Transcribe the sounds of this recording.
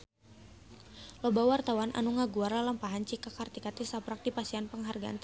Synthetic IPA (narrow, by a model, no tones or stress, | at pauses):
lɔbawart̪awanʔa̰nuŋaɡuardalampaɦant͡ʃikakart̪ikat̪isapɾak̚dipasianpəŋɦarɡaʔant̪